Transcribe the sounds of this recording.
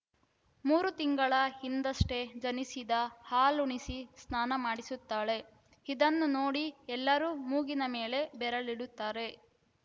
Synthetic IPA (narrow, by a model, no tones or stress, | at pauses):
muːɾut̪iŋɡɐɭɐhind̪ɐʂʈed͡ʒɐnisid̪ɐhaːluɳisisnaːnɐmaːɽisut̪ːaːɭe̞ | id̪ɐnːuno̞ːɽiɛlːɐɾuːmuːɡinɐme̞ːle̞bɛɾɐliɽut̪ːaːɾe̞